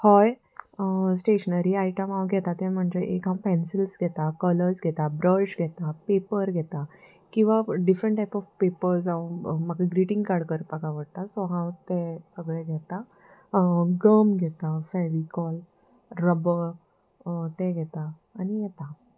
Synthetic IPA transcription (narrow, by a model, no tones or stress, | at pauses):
hɔj | sʈeɕənaɾiajiʈəmawɡʱɛt̪at̪ɛ̃m̤əɳd͡zd͡ʑeʔekɦãpɛ̃nsilsɡʱɛt̪akələɾsɡʱɛt̪abɾəɕɡʱɛt̪apepəɾɡʱɛt̪a | kĩw̃ʋaɖifɾəɳʈːajpɔfpepəɾs̬awmaɡaɡɾiʈĩŋɡkaɾɖkəɾpakaʋəɽt̪asɔɦãwt̪ɛsəɡɭɛɡʱɛt̪a | ɡəmɡʱɛt̪afɛʋikɔl | ɾəbə | t̪ɛ̃ɡʱɛt̪aː | nijɛt̪a